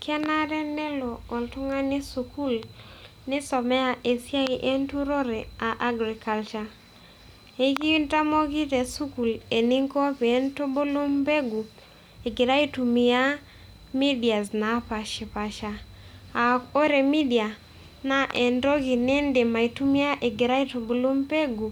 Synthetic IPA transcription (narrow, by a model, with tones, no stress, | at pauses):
kʰɛ˦na˦ɾɛ˦nɛ˦loː˨ltʊ˦ŋa˦nɪ˦su˨ku˦l | nɪ˦sɔ˨mɛ˦a˦ʔe˨sja˦i˦ʔe˦ntu˦ɾo˦ɾɛ˨a˨ʔa˦ɡɾi˨ka˨lt͡ʃa˦ | e˨ki˦nta˦mo˦ki˦te˨su˦ku˨le˨ni˦ŋko˦pe˨e˦nto˦bo˦lo˦mbe˦ɡu˨ | e˨ɡɪ˨ɾa˦i˦tu˨mi˨ja˦ | mi˦di˨a˨sna˨˦pa˨ʃɪ˨pa˨ʃa˨ | a˨o˦ɾe˨mi˦di˨a˨ | na˨˦ʔɛ˨ndo˦ɡi˨nɪ˦ndɪ˨ma˨i˨tu˦mi˦a˦ʔe˨ɡɪ˨ɾa˦i˦to˨bo˨lo˦mpe˦ɡu˨